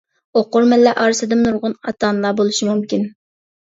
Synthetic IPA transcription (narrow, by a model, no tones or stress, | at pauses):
oqʊɾmɛlːɛʔɑːɾɨsɨd̪ɪmnuɾʁʊnɑt̪ɑːnlˠɑbolˠuʃimumkʲin